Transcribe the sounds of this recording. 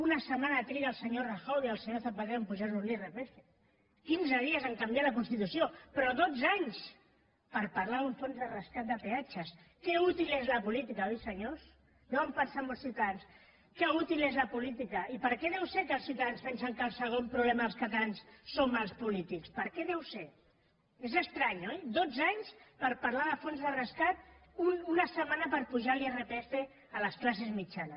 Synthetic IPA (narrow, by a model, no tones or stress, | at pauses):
unasəmanat̪ɾiɾaːlˠsəɲoraxawðiəlˠsəɲoθapaðempuʒaunirepɾeʃe | kinzəðiəzəŋkambjalɐkunst̪it̪usiopɾɔðod͡zaɲs | pəɾpaɾlaðuɱfonzðərəskat̪̚d̪əpeat͡ʃəs | kɛut̪ilezlapulit̪ikaojsəɲos | nowampənsaməlsθiwt̪aðans | kɛut̪ilezləpulit̪ikəipəɾkɛðɛwsekəːlˠsiuwt̪aðanspɛnsəŋkəlˠsəɣ̞ompɾuβlɛmɐðəlˠskat̪aansːomalˠspulit̪ikspəɾkɛðɛwse | ezəst̪ɾaɲojd̪od͡zaɲspəɾpaɾlaðəfonzðərəskat̪̚ | ununəsəmanəpəɾpuʒaliərepɛste | ələsklas̬ezmit͡ʃanə